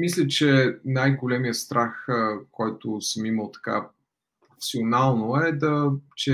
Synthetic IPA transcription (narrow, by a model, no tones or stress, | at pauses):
mislʲət͡ʃɛnajɡolɛmijəst̪ɾʔaxkʰɔjt̪ʊsəmiməlˠt̪ɐ̥ka̰ | pɾofɛ̥sionalˠnoɛd̪ɐt͡ʃɛ